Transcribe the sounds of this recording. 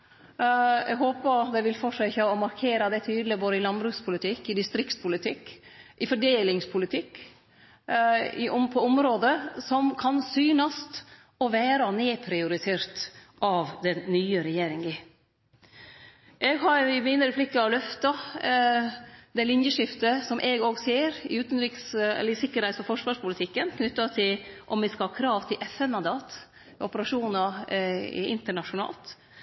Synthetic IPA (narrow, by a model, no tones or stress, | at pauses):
ɛ̰ɡɦoːpəd̪ɛʋɪlfɔʂøçɑɔmɑɾkʰeːɾɑd̪ɛt̪ʰyːd̪lɪboːd̪əɪlɑnbɾʉːspʰʊlɪt̪ʰɪkːɪd̪ɪst̪ɾɪkt̪spʰʊlɪt̪ʰɪkːʔɪfɔɖeːlɪŋspʰʊlɪt̪ʰɪkː | ɪ̰ʔɔmpʰɔʊmɾoːd̪əsɔmkʰɑnsyːnɑst̪ | ɔʋæːɾɑneːpʰɾɪʊɾɪt̪ʰeːɾt̪ | ʔɑʋd̪ɛnnyːəɾɛjeːɾɪŋɪ | ʔɛɡɦɑɾɪmiːnəɾɛpʰlɪkːɑɑlœft̪ɑ | d̪ɛlɪnjəʂɪft̪əsɔmʔɛɡoːɡseːɾɪ̰ʉːt̪ənɾɪksɛ̰lːəɾɪsɪkːəɾhɛɪt̪fɔfɔʂʋɑːʂpʰʊlɪt̪ʰɪkːənkʰnʏt̪ːɑt̪ʰɪlʔɔmʋɪskɑhɑːkʰɾɑːʋt̪ʰɪlʔɛfɛnmɑnd̪ɑːt̪ | ɔpəɾɑʂuːnɑ | ɪ̰ʔɪ̰nt̪əɳɑʂʊnɑ̰ːlt̪